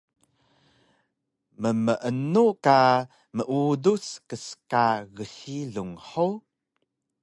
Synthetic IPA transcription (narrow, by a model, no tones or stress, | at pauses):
məməʔənuka | məʔuduskəskaɣəɬiɮuŋħu